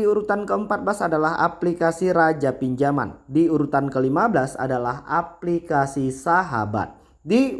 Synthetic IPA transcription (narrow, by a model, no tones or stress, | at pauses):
iuɾut̪ankəəmpat̪̚blasadalaɦa̰plikasiɾad͡ʒapiɲd͡ʒama̰ndiuɾut̪ankəlimablasa̰dalaha̰plikasisaɦa̰ba̰t̪̚ | di